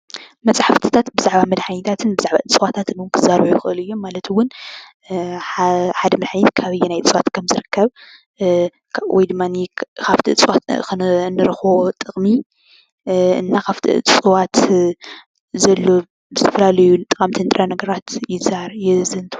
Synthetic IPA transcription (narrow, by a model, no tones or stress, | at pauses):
mɐt͡sʼaħaft̪ʰi̥t̪ʰat̪bɨzaʕbamɐd̪ħanit̪ʰat̪ʰɨnbɨzaʕbaʔɨt͡sʼwat̪ʰat̪nwʊnkʰɨzaɾujɪxɨʔɨlɨjːomːalɐt̪ʰwʊn | ħad̪ɐmɐd̪ħanit̪kʰaβɨjːɛnajʼt͡sʼwat̪kʰɐmzɨɾɨkʰːɐβ | wɔjd̪ɨmːanikʰaft̪ʰiʔɨt͡sʼwat̪kɨnnːɨɾɨxot̪ʼɨχʼmi | ɨ̰nːakʰaft̪ʰḭʔt͡sʼɨwat̪ | zɐlːo | bzɨt̪ʰɐfɐlalɐjut̪ʼɐkʼamt̪ʰint̪ʼɾʔanɐɡɐɾat̪jɪzaɾjɛzɨnt̪ʰ